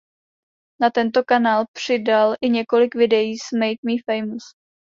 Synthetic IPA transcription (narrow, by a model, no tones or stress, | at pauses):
nat̪ɛnt̪o̞kanaːlpr̝̥ɪdalʔɪɲɛko̞lɪkvɪdɛjiːsmɛjt̪miːfɛjmus